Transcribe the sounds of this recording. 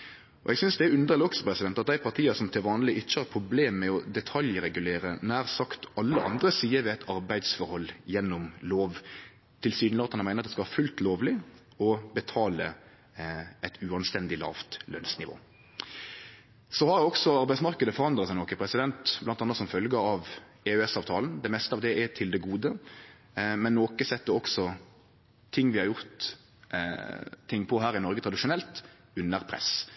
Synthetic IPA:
ɔ̰ʔɛɡsʏnsd̪ɛæɾʉnd̪əʁəlɔksəpʰɾɛsɪd̪ɛnt̪ɑt̪̚d̪æɪpʰɑɾt̪ʰiːɑsɔmt̪ʰɪlʋɑːnlɪʔɪt͡ʃːəhɑɾpʰɾʊbleːmːɛɔd̪ɛt̪ʰɑljɾɛɡʉleːɾənæːʁsɑkt̪ɑlːəʔɑ̰nd̪ɾəsiːəʋɛæt̪ʰɑɾbæɪd̪sfɔɾhɔlːjɛnːʊmloːʋ | t̪ʰɪlsyːd̪n̩əɑt̪ʰːɑnmæɪəɾɑt̪d̪ɛskɑʋhɑfʉlt̪loːʋlɪ | ɔbət̪ʰɑːlə | ɛt̪ʰʉɑnst̪ɛnd̪ɪlɑ̰ːʋt̪lœ̰nsnɪʋo̰ː | sɔhɑɾjæɔksɔɑɾbæɪsmɑʁkəd̪əfɔɾʁɑnd̪ʁəɑsæɪnɔːkəpʰɾɛsɪd̪ɛnt̪blɑnt̪ɑnːəsɔmfœlɡəɑʋ | ɛʉɛsɑːʋt̪ʰɑːln̩d̪ɛmɛst̪əɑːʋd̪ɛɛt̪ʰɪld̪ɛɡuːd̪ə | mɛnːoːkəsɛt̪ːəɾɔksɔ | t̪ʰɪŋːʋɪhɑɾjʊʁt̪ | ɪŋːpʰɔɦæːɾɪnɔɾɡət̪ʰɾɑd̪ɪʂʊnɛlt̪ | ʉnːəɾpʰɾɛ̰s

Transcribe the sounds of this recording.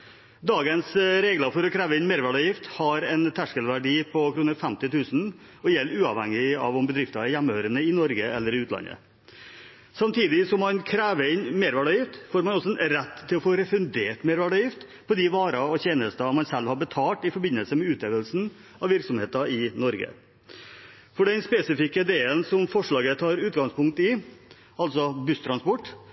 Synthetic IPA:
d̪ɑːɡənsɾeːɡləfɔɾɔkʰɾæːʋəɪnmeːɾʋæɖɑjɪft̪hɑɾɛnt̪ʰæʂkəlʋæɖiːpʰɔkʰɾuːnəfɛmt̪ɪt̪ʰʉːsn̩ | ɔjɛlːʉːɑ̰ʋhɛ̰ŋːɪɑ̰ʋʊmbəd̪ɾɪft̪ɑæɾjæmːəhøːɾənəɪnɔɾɡəɛ̰lːəɾɪʉːt̪lɑ̰nə̰ | sɑmt̪ʰiːd̪ɪsɔmːɑnkʰɾæːʋəɾɪnmeːɾʋæɖɑjɪft̪foːɾmɑnɔsɔɾɛt̪ʰːɪlɔfoːɾɛfɾʉnd̪eːʈmeːɾʋæɖɑɪft̪ | pʰɔd̪ɪʋɑːɾɑɔçeːnəst̪ɑmɑnsɛlːhɑɾbət̪ʰɑːlʈ̪ɪfɔɾbɪnːəlsəmɛʉːt̪eːʋd̪əlsn̩ | ɑʋɪɾksɔmheːt̪ɑɪnɔɾɡə̰ | fɔɖɛnspesɪfɪkːəɪd̪eːənsɔmfɔʂɭɑːɡət̪ʰɑːɾʉːt̪̚ɡɑŋspʊŋk̚t̪ɪ | ɑlsɔbʉst̪ʰɾɑnspɔʈː

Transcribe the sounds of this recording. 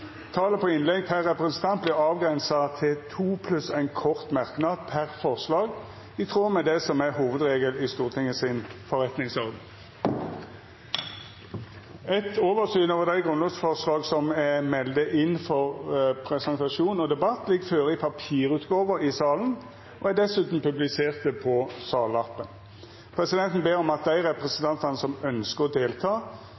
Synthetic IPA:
t̪ʰɑːləpʰɔɪnlɛɡ̚pʰæʁɛpʁɛsn̩t̪ʰɑnt̪lɪɑːʋɡʁɛnsɑt̪ʰɪlt̪ʰuːpʰlʉsæɪnkʰɔʁt̪mɑʁknɑːd̪̚pʰæʁfɔʁslɑːɡ | ɪt̪ʰʁoːmɛd̪ɛsɔmæhuːʋəd̪ʁeːɡəlɪst̪uːʁt̪ʰɪŋːəsɪnfɔʁɛt̪nɪŋsɔʁd̪n̩ | ɛt̪oːʋəʁsyːnoːʋəʁd̪æɪɡʁʉnɔsfɔʁslɑːɡsɔmɛmɛld̪əʔɪnfɔʁpʰɾɛsɛnt̪ɑʃuːnɔd̪ɛbɑt̪ːlɪɡføːʁəɪpʰɑpʰiːʁʉːt̪ɡoːʋəɾɪsɑːln̩ | ɔæd̪ɛsʉːt̪n̩pʉblɪseːʁt̪əpʰɔsɑːlɑpːən | pʰʁɛsɪd̪ɛnt̪n̩beːɾɔmɑt̪̚d̪æɪʁɛpʁɛsənt̪ʰɑnt̪ənəsɔmœnskəʁɔd̪eːlt̪ʰɑː

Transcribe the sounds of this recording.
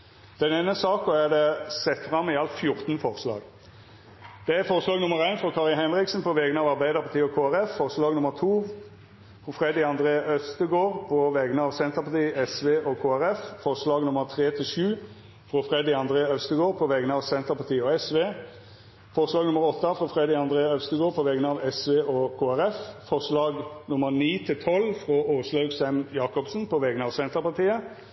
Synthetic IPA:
d̪̥ɛneːnːəsɑːkɔæd̪ɛsɛt̪fɾɑmːɪɑlt̪fjʊʁt̪nfɔʁslɑ̰ːɡ | d̪̥ɛæfɔʁslɑːɡnʊməʁæɪnfʁɔkʰɑːʁɪhɛnɾɪksn̩pʰɔʋɛɡənəɑːʋɑʁbæɪd̪əʁpɑʁt̪ʰiːɔkʰoːæɾɛfːɔʁslɑːɡnʊməʁt̪ʰuː | fɾɔfɾɛd̪ɪɑnd̪ʁeːœst̪əɡoːʁpʰɔʋɛɡənəɑːʋsɛnt̪əʁpɑt̪ʰiːɛsʋeːʔɔkʰoːæʁɛffɔʁʂlɑːɡnʊməʁt̪ʰʁeːt̪ʰɪlʃʉː | fʁoːfʁɛd̪ɪɑnd̪ʁeːœst̪əɡoːʁpʰɔʋɛɡənəɑːʋsɛnt̪əpɑt̪iːəɔɛsʋeː | fɔʁʂlɑːɡnʊmːəʁɾɔt̪ːəfʁoːfʁɛd̪ɪɑnd̪ʁeːɑœst̪əɡoːʁpʰɔʋɛɡənəɑːʋɛsʋeːʔɔkʰoːæɾɛffɔʁʂlɑːɡnʊməʁniːt̪ʰɪlt̪ʰɔlːfʁooːʂlɑʉɡsɛmjɑːkɔpsnpʰɔʋɛɡnəɑːʋsɛnt̪əpɑʁt̪iːə

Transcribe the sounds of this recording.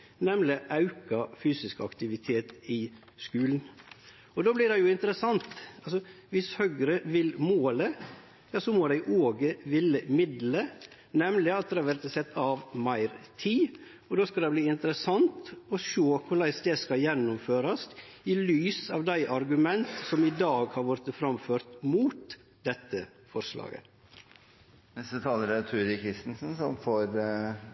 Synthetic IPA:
nɛmlɪʔɑʉkɑfyːsɪskɑ̰kt̪ɪʋɪt̪ʰeːt̪ɪ | skʉːln̩ | ɔd̪oːblɪɾd̪ɛjʊɪnt̪əɾəsɑnt̪ɑlsɔ | ʋɪshœɡɾəʋɪlmoːlə | jɑːsɔmoːd̪æɪʔoːɡəʋɪlːəmɪd̪lə | nɛmlɪɑt̪̚d̪ɛhɑʋæɾt̪sɛt̪ʰːɑʋmæɪɾt̪ʰiː | ɔd̪oːskɑd̪ɛbliːɪnt̪əɾəsɑnt̪ɔʃoːkʰʊɾɭæɪsd̪ɛskɑjɛnːʊmføːɾɑsɪlyːsɑːʋd̪æɪʔɑɾɡʉmɛnt̪sɔmɪd̪ɑːɡhɑɾʋɔɾt̪əfɾɑmføːɾt̪muːt̪ | d̪ɛt̪ːə | fɔɾslɑ̰ːɡə̰ | nɛst̪ət̪ʰɑːləɾɛt̪ʰʉːɾɪkʰɾɪst̪ənsn̩sɔmfɔɾ

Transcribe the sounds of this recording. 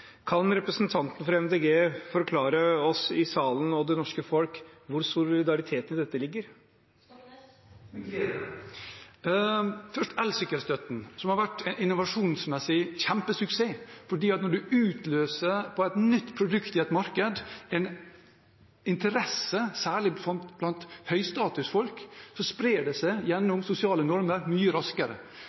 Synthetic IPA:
kʰɑnɾɛpɾəsnt̪ʰɑnt̪n̩fɾɑɛmd̪eɡeːfɔɾkʰlɑːɾəɔsɪsɑːlən̩ɔd̪ɛnɔʂkəfɔlkʋʊɾsʊlɪd̪ɑɾɪt̪ʰeːt̪ənɪd̪ɛt̪ːəlɪɡːəɾ | fœʂʈɛlsʏkːəɾst̪œt̪n̩sɔmhɑɾʋæʈːɛnɪnːʊʋɑʂuːnsmɛsɪçæmpəsʉkseːfɔɖiːɑt̪nɔɖʉʉːt̪løːsəpʰɔæɪt̪nʏt̪ːpʰɾʊd̪ʉkt̪ɪɛt̪mɑɾkəd̪ɛn | ɪnt̪əɾɛsəsæːɭɪɔb̥lɑnt̪hœʏst̪ɑːt̪ʉsfɔlksɔspɾeːɖɛsæɪjɛnːʊmsʊsɪɑːlənɔɾməɾmyːəɾɑskəɾə̰

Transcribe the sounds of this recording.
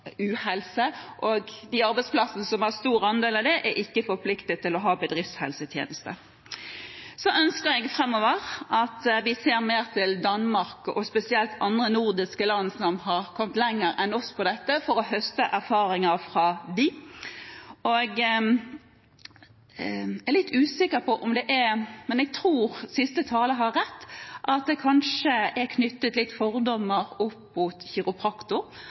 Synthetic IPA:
ʉːhɛlsəʔoɡd̪ɪɑɾbɛɪspʰlɑsənəsɔmhɑʁst̪uːɾɑnd̪eːlɑʋd̪ɛʔæɾʔɪkːəfɔɾpʰlɪkt̪ət̪ːɪlɔɦɑːbəd̪ʁɪftshɛ̰lsət̪ʰjḛːnəst̪ə | sɔʔœnskəɾɛɡfʁɛmːɔːʋəʁʔɑt̪ʋɪseːɾmeːʁt̪ʰɪld̪ɑnmɑʁkʔɔ̰spɛsɪɛlt̪ʰɑnd̪ʁənuʁd̪ɪskəlɑnːsɔmhɑʁkʰɔmt̪lɛŋːəɾɛnɔspʰɔd̪ɛt̪ːəfɔɾɔɦœst̪əʔæʁfɑːʁɪŋəʁfʁɑd̪ɪ | ɔɡ | æɾlɪt̪ʰːʉːsɪkːəpʰɔʔɔmd̪ɛʔæmɛnɛɡ̚t̪ʰɾuːʁsɪst̪ət̪ʰɑːləɦɑɾːɛt̪ːʔɑt̪̚d̪ɛkʰɑnʂəʔæɾkʰnʏt̪ːət̪lɪt̪ːfɔʁd̪ɔmːəʁɔpːmuːt̪çɪʁʊpʰʁɑkt̪ʊ

